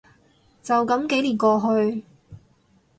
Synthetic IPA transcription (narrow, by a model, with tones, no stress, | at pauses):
t͡sɐ˨wkɐ˨˥mke˨˥jliː˨˩nkɔː˧ɦɵ˧ɥ